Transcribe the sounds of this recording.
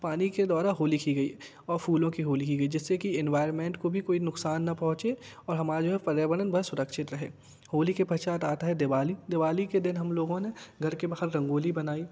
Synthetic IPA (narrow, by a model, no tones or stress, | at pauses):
paːniked̪ɔːɾaɦoːlikiɡɐi | ɔːɾfʰuːlõkiɦoːlikiɡɐid͡ʒɪsːekiɪ̃nʋaːɪɾənmẽːɳʈkobʱikoːinʊksaːnːɐpɔ̃ɦʊ̃t͡ʃeɔːɾɦɐmaːɾd͡ʒoːɦɛpɐɾjabəɽ̃ənbʱɐɾsʊɾəkʃɪt̪ɾɐɦḛː | hoːlikepɐt͡ʃaːt̪aːt̪aɦɛd̪eʋaːlid̪ɪʋaːliked̪ɪnɦɐmloːɡõneɡʱɐɾkebaːɦəɾːɐ̃ŋɡoːlibɐnaːiː